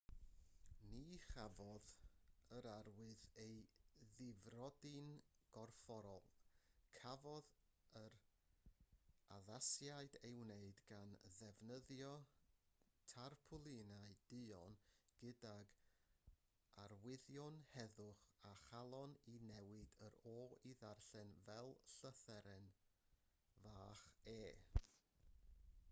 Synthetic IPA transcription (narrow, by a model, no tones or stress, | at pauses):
niχavɔðəɾaɾwɨðejðɪvrɔdɨnɡ̥ɔrfɔɾɔ̰lˠkʰavɔð | əɾ | aðasjaɨdewneɨdɡ̥anðɛvnəðjɔ | tʰarpʰʊlˠɪnaɨd̥ɨɔnɡ̥ɨdaɡ | arwɪðjɔnhɛðʊχaχalˠɔninɛwɨdəɾɔːiðarɬɛnvɛlˠɬəθɛɾɛn | vaːχeː